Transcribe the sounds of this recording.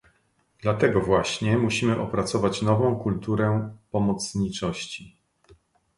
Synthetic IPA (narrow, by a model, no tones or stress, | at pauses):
d̪̥lat̪ɛɡɔvwaɕɲɛmuɕimɘʔɔpɾat̪sɔvat͡ɕnɔvɔ̃w̃kult̪uɾɛpɔmɔt̪sɲit͡ʂɔɕt͡ɕi